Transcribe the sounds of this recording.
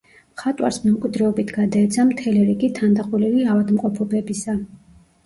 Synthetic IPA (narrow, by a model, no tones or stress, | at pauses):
χat̪ʼwa̰ɾsmɛukʼid̪ɾɛɔbit̪ʰɡad̪aɛt̪sʰamt̪ʰɛlɛɾiɡit̪ʰand̪aqʼulɛviavad̪mqʼɔpʰɔbɛbisa